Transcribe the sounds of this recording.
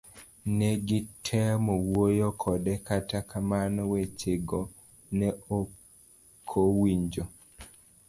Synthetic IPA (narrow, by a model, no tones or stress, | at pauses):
nɛɡitʰɛmɔwojokʰɔdɛkatakʰamanwet͡ʃeɡo | nɛo | kʰowiɲd͡ʒo